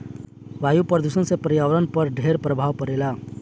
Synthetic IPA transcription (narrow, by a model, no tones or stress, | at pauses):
ʋajupəɾd̪usə̃nsepɾjaʋɾənpəɾɖʱeɾpɾəbʱaʋpəɾela